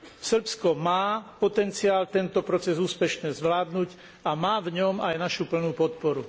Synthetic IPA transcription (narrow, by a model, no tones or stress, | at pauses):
sr̩pskɔmaːpɔt̪ɛnt͡siaːlt̪ɛnt̪ɔpɾɔt͡sɛzuːspɛʃnɛːzʋlaːd̪nuːc | amaːvɲɔmajnaʃupl̩nuːpɔt̪̚pɔɾu